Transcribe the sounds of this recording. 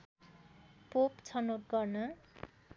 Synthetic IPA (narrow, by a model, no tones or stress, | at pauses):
popt͡sʰʌnoʈ̚ɡʌrnʌ